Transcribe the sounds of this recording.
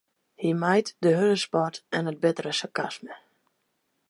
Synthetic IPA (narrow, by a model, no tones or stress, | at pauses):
himajtdəɦøləspɔtɛnət̚bɪtərəsakasmə